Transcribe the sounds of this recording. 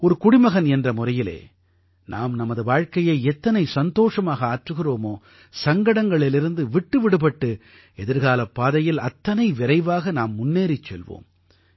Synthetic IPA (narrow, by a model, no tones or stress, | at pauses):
ɔɾɯkʊɽɪmɐɣɐnɛndrɐmʊrɐjɪlḛː | nʔaːmnɐmɐðɯʋaːɻkɐjɐɪɛt̪ːɐnɐɪsɐnd̪oːʂɐmaːɣɐaːʈrɯɣɪroːmoː | sɐŋɡɐɽɐŋɡɐɭɪlɪɾɯnd̪ɯʋɪʈːɯʋɪɽɯpɐʈːɯ | ɛðɪɾɣaːlɐpːaːðɐjɪlɐt̪ːɐnɐɪʋɪɾɐɪʋaːɣɐnaːmːʊnːeːɾɪt͡ʃːɛ̰lʋo̰ːm